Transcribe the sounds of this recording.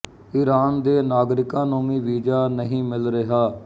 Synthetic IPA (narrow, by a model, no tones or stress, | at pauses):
iːɾaːnd̪eːnaːɡɾɪkãːnũːʋĩːʋiːd͡ʒaːnəɦĩːmɪlɾɪɦaː